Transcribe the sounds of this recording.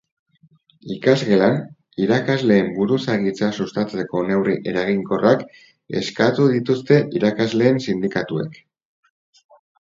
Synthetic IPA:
ikazɣe̞lan | iɾakazle̞ːmbuɾusaɣit͡sasust̪at͡se̞ko̞ne̞wriʔe̞ɾaɣiŋko̞rʔak | e̞̰skat̪uðit̪ust̪e̞ʔiɾakazle̞ːnsind̪ikat̪ue̞̰k

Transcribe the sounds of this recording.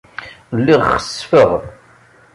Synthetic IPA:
lːiʁχə̥sfəʁ

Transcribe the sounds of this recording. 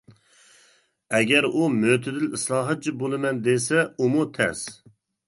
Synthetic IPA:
ɛɡʲɛɾumøt̪ʰɪd̪ɪlislˠɑːɦɑt̪̚t͡ʃʰibolˠɨmɛnd̪esɛumut̪ʰɛ̰s

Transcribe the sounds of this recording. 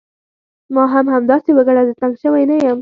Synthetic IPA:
mɑɦamhamd̪ɑsewəɡaɽad̪ət̪aŋɡʃəwajnajam

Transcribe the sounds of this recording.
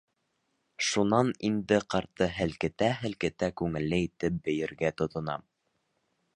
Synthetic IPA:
ʃunɑnind̪ɘqɑɾt̪ɤɦɘ̆lkɘ̆t̪æɦɘ̆lkɘ̆t̪ækʉŋɘ̆lːɘit̪ɘp̚bɘ̆jɘ̆ɾɡæt̪ŏt̪ŏnɑ̰m

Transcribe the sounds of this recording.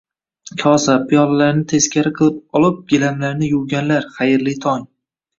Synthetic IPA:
kʲʰɒsapʰijɒllaɾnɪt̪ʰe̞skʲaɾɪqʰɨlˠɪp̚ɒlˠɪp̚ɡ̥ʲɪlamlaɾnɪjʊwɡʲanlaɾχajɪɾlɪt̪ʰɒŋ

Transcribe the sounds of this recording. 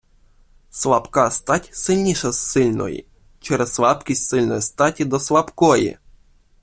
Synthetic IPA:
slapkast̪atʲsɨlʲnʲiʃɛsːɨlʲnɔ̰jḭ | t͡ʃɛɾɛsːʋapkʲisʲsɨlʲnɔjst̪atʲid̪ɔslapkɔjḭ

